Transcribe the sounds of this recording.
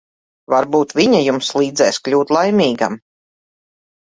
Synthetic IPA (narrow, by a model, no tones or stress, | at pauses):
vaɾbuːt̪vʲiɲajumslˠiːd̪zɛːsklʲuːt̪lˠajmʲiːɡa̰m